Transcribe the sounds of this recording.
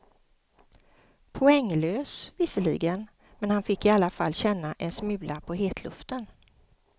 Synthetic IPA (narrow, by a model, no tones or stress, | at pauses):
pʰʊɛŋːløːsvɪsəlḭɡən | mɛnhanfɪkːɪalːafa̰lːɕɛnːaʔɛnsmʉ̟ːlʔapʰɔɦeːt̪ʰlɵ̰ft̪ən